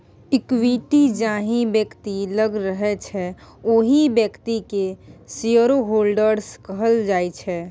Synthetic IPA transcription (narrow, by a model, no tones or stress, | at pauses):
ɪkwiʈid͡ʒaɦĩbjəkt̪iləɡɾəɦɛt͡ʃʰɛoɦibjəkt̪ikesiəɾoɦolɖəɾskəɦəld͡ʒajt͡ʃʰɛ